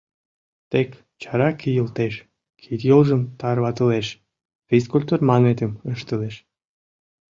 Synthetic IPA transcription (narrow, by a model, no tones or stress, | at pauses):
t̪ek | t͡ɕɑɾɑkʰijəlt̪eʃ | kʰit̪jolˠʒə̆mt̪ɑrβɑt̪əleʃ | fʲiskulʲt̪urmɑnet̪ʲəməʃt̪əleʃ